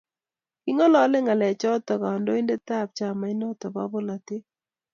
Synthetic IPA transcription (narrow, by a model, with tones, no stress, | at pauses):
kɪ˦ŋɔ˦lɔ˨˦le˦ŋa˨lɛ˨t͡ʃɔ˦tɔ˨ka˨ɔ˨ndo˦ɪ˦nde˦ta˦˨p̚t͡ʃa˨ma˨ɪ˦nɔ˦tɔ˨ba̰˦bo˦la˨tɪ˦